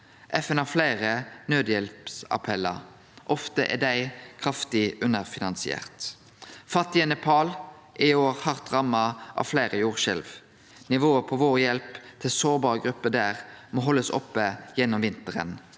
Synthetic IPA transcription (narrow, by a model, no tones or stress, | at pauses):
ʔɛfɛnhɑːflæɪʁənøːd̪jɛlpsɑ̰pʰɛlːɑʁ | ʔɔft̪əʔɛ̰d̪æɪkʰʁɑft̪ɪʉnəʁfɪnɑnsɪɛ̰ːʁt̪ | fɑt̪ːɪɛnɛpʰɑːl | ʔɪoːʁhɑʁt̪ʁɑmːɑʔɑ̰ʋflæɪʁəjuːʁʃɛlʋ | nɪʋoːəpʰɔʋoːʁjɛlpt̪ʰɪlsoːʁbɑːʁəɡɾʉpːəd̪æːʁmoːɦɔlːəsɔ̰pːəjɛnːɔmʋɪnt̪əʁə̰n